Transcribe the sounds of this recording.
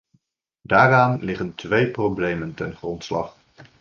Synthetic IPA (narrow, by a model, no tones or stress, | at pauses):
daːraːnlɪχəntʋejproblejməntɛnχrɔntslɑ̰χ